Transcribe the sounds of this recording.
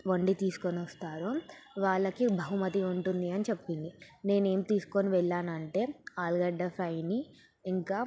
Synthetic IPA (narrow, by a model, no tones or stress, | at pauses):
ʋoɳɖit̪iːsu̥koniʋɐst̪aːɾoːʋaːɭːɐkibʱɐɦumɐt̪̬iuɳʈund̪iɐnit͡ʃepːiɳd̪ine̞ːne̞ːmt̪iːsu̥koniʋɛɭːaːnɐɳʈe̞ːaːlɡɐɖːɐfʰɾɐjniː | ŋkaː